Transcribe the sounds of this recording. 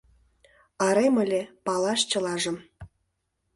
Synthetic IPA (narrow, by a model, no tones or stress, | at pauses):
ɑɾemə̆lʲepɑlɑʃt͡ɕə̆lɑʒə̆m